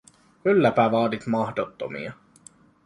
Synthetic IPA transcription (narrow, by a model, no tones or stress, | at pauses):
kylːæpæʋɑːd̪it̪mɑhdot̪ːo̰mḭɑ